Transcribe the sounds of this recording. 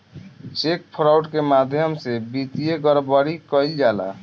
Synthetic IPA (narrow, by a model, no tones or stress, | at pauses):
t͡ʃek̚pʰɾauʈkemad̪ʱjəmsebit̪ijeɡəɾbəɾikəjld͡ʒala̰